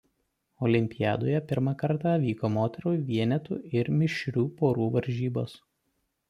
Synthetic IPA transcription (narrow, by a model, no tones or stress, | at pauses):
ɔlʲɪmʲpʲɪjæ̰ːd̪oːjɛpʲɪɾmɑkɐɾt̪ɑːˑʋʲiːkoːmoːt̪ʲɛɾuːʋʲiɛnʲɛt̪ṵːɪɾmʲɪʃʲɾʲuːpoːɾuːʋɐɾʲʒʲiːboːs